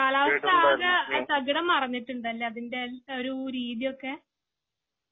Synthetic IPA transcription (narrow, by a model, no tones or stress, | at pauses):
kaːlaːʋɐst̪ʰːaːɣɐsɐɡɐɽɐmːɐrɐɲːiʈːuɳɖɐlːeɐðinde̞oɾuɾiːðijo̞kːe̞